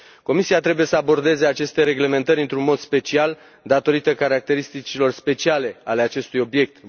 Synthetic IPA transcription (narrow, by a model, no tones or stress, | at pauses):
ko̞misiat̪ɾe̞buje̞səabo̞rd̪e̞ze̞at͡ʃe̞st̪e̞ɾe̞ɡle̞me̞nt̪əɾʲɨnt̪ɾunmo̞d̪spe̞t͡ʃial | d̪at̪o̞ɾit̪əkaɾak̚t̪e̞ɾist̪it͡ʃilo̞rspe̞t͡ʃiale̞ale̞at͡ʃe̞st̪ujo̞bje̞k̚t̪